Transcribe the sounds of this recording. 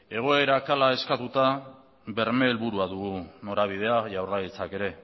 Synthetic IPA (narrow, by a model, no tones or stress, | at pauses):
e̞ɣ̞o̞e̞ɾakalae̞skat̪ut̪a | be̞ɾmeːlβuɾuaðuɣuno̞ɾaβ̞ið̞e̞aʝawrajit͡sake̞ɾe̞